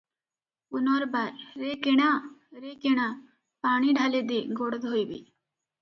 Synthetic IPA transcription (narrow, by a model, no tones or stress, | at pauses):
unɔɾbaɾːekeɽaɾekeɽ̃a | paːɽ̃iɖʱaled̪eɡoɽəd̪ɦojbḭ